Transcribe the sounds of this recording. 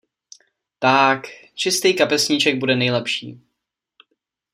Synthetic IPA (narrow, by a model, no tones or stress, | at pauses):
t̪akt͡ʃɪst̪iːkapɛsɲit͡ʃɛɡ̚budɛnɛjlɛpʃḭː